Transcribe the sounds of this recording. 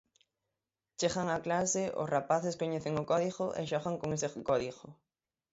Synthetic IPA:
t͡ʃeɣaŋaklaseʔʊ̰srapaθeskoɲeθeŋokɔðiɣoʔḛʃɔɣaŋkoŋesekɔðiɣʊ

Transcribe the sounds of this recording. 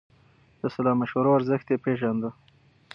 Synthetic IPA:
d̪̥əsalɑmaʃwaɾoaɾzəxt̪epeʒand̪ə

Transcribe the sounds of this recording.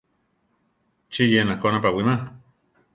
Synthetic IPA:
t͡ʃijenakonap̬awimã

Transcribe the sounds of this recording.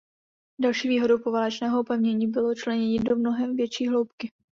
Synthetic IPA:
dalʃiːviːɦo̞dowpo̞valɛt͡ʃnɛːɦoupɛvɲɛɲiːbɪlot͡ʃlɛɲɛɲɪdomno̞ɦɛmvjɛt͡ʃiːɦlo̞wpkɪ

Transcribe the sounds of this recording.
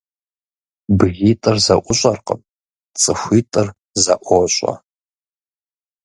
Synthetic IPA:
bɣʲiːtʼɨrzɐʔʷʊɕʷʼɐrqə̰m | t͡sʼɨxʷiːtʼɨr | zɐʔʷoɕʷʼɐ̰

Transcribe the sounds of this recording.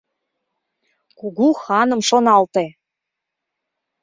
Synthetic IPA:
kuɣuxɑnə̆mʃonɑlt̪e

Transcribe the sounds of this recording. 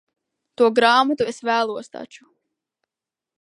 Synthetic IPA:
t̪uɔɡɾaːmat̪uesvæːlˠuɔst̪a̰t͡ʃu̥

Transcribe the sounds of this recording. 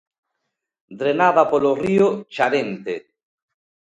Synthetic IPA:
d̪ɾenaðapoloriot͡ʃaɾent̪e

